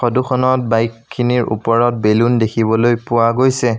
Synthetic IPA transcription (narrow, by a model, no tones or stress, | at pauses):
xɔduxɔnɔt̚bajkʰːiniɹṵpɔɹɔt̚belundekʰibɔlojpʊwaɡojsɛ